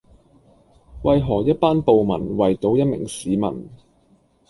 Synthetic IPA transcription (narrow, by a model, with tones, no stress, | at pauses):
wɐ˨˧jɦɔː˨˩jɐ˥t̚paː˥npo˨wmɐ̰˨˩nwɐ˨jt̪o˨˥wjɐ˥t̚mɪ̰˨˩ŋsiː˨˥mɐ̰˨˩n